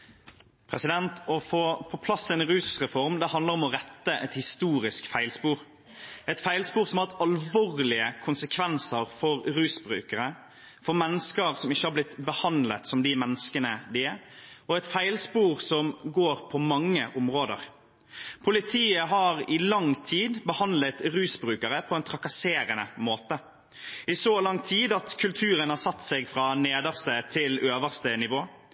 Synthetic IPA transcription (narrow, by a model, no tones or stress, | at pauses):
pʰɾɛsɪd̪ɛnt̪ɔfoːpʰɔpʰlɑsɛnɾʉːsʁɛfɔɾmd̪ɛhɑnd̪ləɾɔmɔʁɛt̪ːəʔɛt̪hɪst̪uːɾɪskfæɪlspuːɾ | ɛt̪fæɪlspuːɾsɔmhɑɾt̪ɑlʋoːɾlɪəkʰʊnsəkʰʋɛnsəɾfɔɾɾʉːsbɾʉ̰ːkəɾə | fɔɾmɛnːəskəɾsɔmɪçːəhɑɾblɪt̪bəhɑnd̪lət̪sɔmd̪ɪmɛnːəskənəd̪ɪɔɛt̪fæɪlspuːɾsɔmɡoːɾpʰɔmɑŋːəʔʊmʁoːd̪ə̰ʁ | pʰʊlɪt̪ʰiːəɦɑːɾɪlɑŋt̪ʰiːd̪bəhɑnd̪lət̪ɾʉːsbɾʉːkəɾəpʰɔɛnt̪ʰɾɑkɑseːɾənəmoːt̪ə | ɪsoːlɑŋt̪ʰiːd̪ɑt̪kʰʉlt̪ʰʉːɾənhɑːɾsɑt̪ːsɛɡfʁɑːneːd̪əʁst̪ət̪ʰɪløːʋəʁst̪ənɪʋoː